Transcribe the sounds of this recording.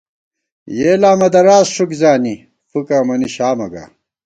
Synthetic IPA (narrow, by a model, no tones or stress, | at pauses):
jeːlaːmɐd̪ɐɾaːzʂukzaːni | fukaːmɐniɕaːmɐɡa̰ː